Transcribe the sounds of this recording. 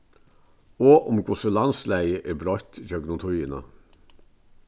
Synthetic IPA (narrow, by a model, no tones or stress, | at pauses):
oːʔʊmɡʊsəlɑnslæɪəʔeːbɾɔʏt̪d͡ʒœɡnʊt̪ʰujənə̰